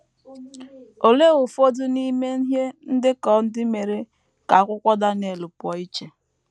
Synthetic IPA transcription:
o˨le˦ɣʊ˨fo˦dʊ˦ni˦me˦n̩˦ɦe˦n̩˦dɪ˦kɔ˦n̩˦dɪ˦me˨ɾe˦ | ka˨a˦kʷʊ˦kʷɔ˦da˦ne˨lʊ˨pɔ˨i˦t͡ʃe˨

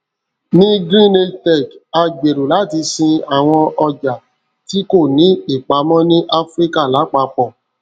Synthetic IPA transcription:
nĩ˦ɡɾĩ˦ne˧tɛ˦˨ka˧ɡ͡be˨ɾo˨la˨˦˨ti˧sĩ˧a˨w̃ɔ̃˧ɔ˧d͡ʒa˨ | ti˦ko˦˨nĩ˨˦i˦˨k͡pa˨˦mɔ̃˦nĩ˦ʔa˦fɾi˦ka˦˨la˨˦k͡pa˧˦k͡pɔ˨

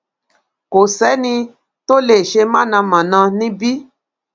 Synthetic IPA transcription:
ko˨sɛ˨˦nĩ˧ | to˦le˨ʃe˧mã˦˨nã˧mã˨nã˧nĩ˦bi˦

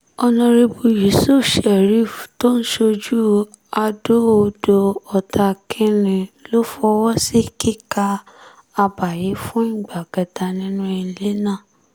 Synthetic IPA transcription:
ɔ˧nɔ̃˧ɾe˧bu˧je˨˦so˦˨ʃɛ˨ɾi˦˨fto˦n̩˦ʃo˧d͡ʒu˦ | a˧do˦o˧do˧ɔ˨˧tʰa˧kʰĩ˦ɾĩ˧lo˦fɔ˧wɔ˦si˦ki˦ka˧ | a˧ba˨je˨˦fũ˦ĩ˦˨ɡ͡ba˨ɡ̥ɛ˨da˧nĩ˦nũ˦ɛ˧˨˧le˦nãː˦˨

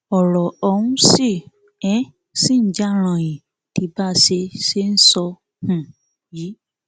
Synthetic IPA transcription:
ɔ˨ɾɔ˨ɔ˧wũ˧˦si˦˨ | ɛ̃˨˦ | sĩ˦˨n̩˦d͡ʒa˦ɾ̃ã˨j̃ĩ˨ | ti˧ba˦se˧ʃe˦n̩˦sɔ˧ | hũ˨ | ji˨˦

